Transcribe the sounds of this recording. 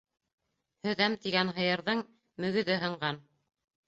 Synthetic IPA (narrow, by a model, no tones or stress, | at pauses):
hɵ̆ðæmt̪iɡænɦɤ̆jɤ̆ɾðɤɴ | mɵ̆ɡɵ̆ðɘɦɤ̆ɴɢɑn